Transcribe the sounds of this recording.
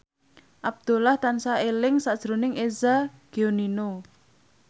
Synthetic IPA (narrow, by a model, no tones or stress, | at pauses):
ʔab̚d̪̥o̤laht̪ansaelɪŋsad̥ʒ̥ɾo̤nɪŋʔezaɡ̥eonino